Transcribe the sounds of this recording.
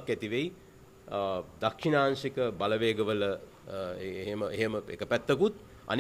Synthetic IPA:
kːæt̪iʋeji | d̪akʂinaːnsikəbaləʋeːɡəʋələ | ɦeməʔeɦeməḛkəpæt̪ːəkut̪̚ | a̰n

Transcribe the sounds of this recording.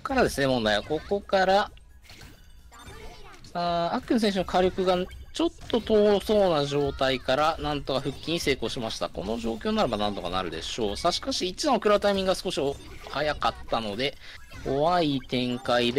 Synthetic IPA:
kaɾad̪e̞sɨne̞mõ̞nd̪ajβako̞ko̞kaɾa | aakkːɯ̟nɯ̟sẽɕ̬onokʰaɾʲo̞kɯ̟ɡat͡ɕo̞t̪ːo̞t̪o̞ːso̞ːnaʑo̞ːt̪aikaɾanãnt̪o̞kaɸɯ̟kʲːiɲ̟ise̞ːko̞ːɕimaɕi̥t̪a̰ko̞̰no̞ʑo̞ːkʲo̞ːnnaɾe̞banãnt̪o̞ka̰na̰ɾɯ̟d̪e̞̰ɕo̞ːsaɕi̥kaɕiːt͡ɕiãokɯ̟ɾabɯt̪aimʲĩŋɡɡasɨ̥ko̞ɕio | hajakat̪ːano̞d̪e̞ | ko̞βait̪ẽ̞ŋkaid̪

